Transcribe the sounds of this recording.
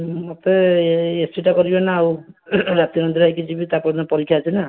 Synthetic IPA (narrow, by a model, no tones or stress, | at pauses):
mot̪eesʈiʈakɔɾibenawɾat̪iɔnɔnd̪iɾajkid͡ʒibit̪apɔnɔpɔɾikʰːjaːt͡ʃʰina